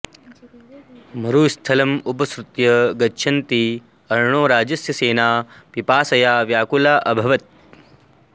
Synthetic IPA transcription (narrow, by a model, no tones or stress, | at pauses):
mɐɾuːst̪ʰɐlɐmupɐsɾut̪jɐɡɐtːʃʰɐnt̪i | ɐɾɳoːɾaːd͡ʒɐsjɐseːnaːpipaːsɐjaːʋjaːkulaːʔɐbʱɐʋɐt̪